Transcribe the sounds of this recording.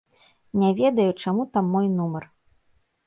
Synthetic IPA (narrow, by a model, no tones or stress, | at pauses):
nʲɛvʲɛd̪ɐjut͡ʂamut̪amːɔjnumɐr